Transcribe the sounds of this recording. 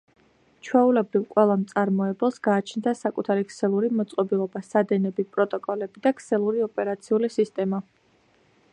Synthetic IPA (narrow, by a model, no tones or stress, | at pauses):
t͡ʃʰwɛulɛbɾivqʼwɛlˠamt̪sʼaɾmɔɛbɛlˠsɡaːt͡ʃʰnd̪asakʼut̪ʰaɾikʰsɛlˠuɾimɔt̪sʼqʼɔbilˠɔbasad̪ɛnɛbipʼɾɔt̪ʼɔkʼɔlɛbid̪akʰsɛlˠuɾiɔpʼɛɾat̪sʰiulisist̪ʼɛma